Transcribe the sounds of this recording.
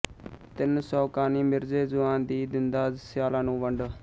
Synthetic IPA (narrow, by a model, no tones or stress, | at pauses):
t̪ɪnsɔːkaːniːmɪɾzeːzʊãːnd̪iːd̪ɪnd̪aːzsjaːlãːnũːʋəɳɖ